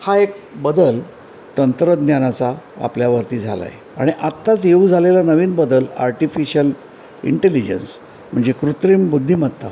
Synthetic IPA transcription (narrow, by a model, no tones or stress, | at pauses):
haekbəd̪əl | t̪ənt̪ɾəd̪njanat͡saa̰pljaʋəɾt̪iːd͡zʱala̰jḛ | aɽ̃iʔat̪ːat͡sjeud͡zʱalelanəʋiːnbəd̪əla̰ɾʈifiɕəl | ḭɳʈelid͡ʑə̰ns | m̤əɳd͡zekɾut̪ɾimbud̪ʱːim̤əʈt̪ːa̰